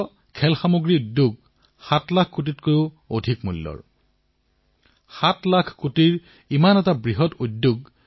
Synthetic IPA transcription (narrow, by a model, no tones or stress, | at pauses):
kʰɛlxamoɡɹiudːuɡ | xatlakʰkutitkoʊ | odʱikmulːɔ̰ɹ | xatlakʰkutiɹ | imanɛtabɹiɦɔtudjuɡ